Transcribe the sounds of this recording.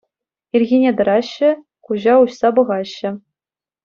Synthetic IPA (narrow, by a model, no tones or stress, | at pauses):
irʲɣʲinʲed̪ɤ̆ɾɑɕːɘ̆ | kuʑɑuɕsɑbɤ̆ʁɑɕːɘ̆